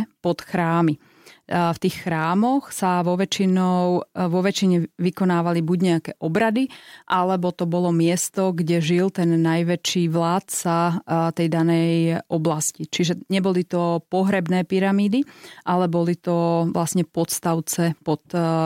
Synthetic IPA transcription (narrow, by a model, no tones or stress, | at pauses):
pɔt̪xɾaːmi | ft̪iːxːɾaːmɔxsaʋɔʋɛt͡ʃinɔʊʋɔʋɛt͡ʃiɲɛʋikɔnaːʋalibuɟɲɛakɛːʔɔbɾad̪iʔalɛbɔt̪ɔbɔlɔmɪɛst̪ɔɡɟɛʒilt̪ɛnːajʋɛt͡ʃiːʋlaːt̪sat̪ɛjd̪anɛjʔɔblascit͡ʃiʒɛɲɛbɔlit̪ɔpɔɦɾɛbnɛːpiɾamiːd̪iʔalɛbɔlit̪ɔʋlasɲɛpɔt̪st̪aʊt͡sɛpɔt̪